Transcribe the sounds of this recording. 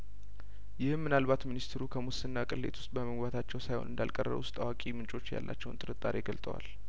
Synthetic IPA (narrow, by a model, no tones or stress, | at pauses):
jɪhmmɨnalbat̪minist̪ʰɾukʰəmʊsɨnːakʼɨlːe̞̰t̪ʰwʊst̪ʼbəməɡbat̪ʰat͡ʃːɛwsajho̞nɨnd̪alkʼərːə̰βuʊst̪ʼawakʼimɨnt͡ʃʼo̞t͡ʃːja̰lːa̰t͡ʃːɛwnt̪ʼɨɾɨt̪ʼaɾeɡəlt̪ʼəwa̰l